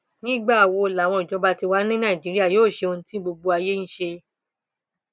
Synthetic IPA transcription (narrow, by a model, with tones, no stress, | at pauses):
nĩ˦ɡ͡ba˦˨wo˧˨la˨w̃ɔ̃˧i˨d͡ʒɔ˨˦ba˧ti˧wa˨˦nĩ˦nã˦i˨d͡ʒi˨˦ɾi˦a˦˨joː˦˨ʃe˧õ˧˦tĩ˦bo˧ɡ͡bo˧˦a˧je˦ñ̩˦ʃe˧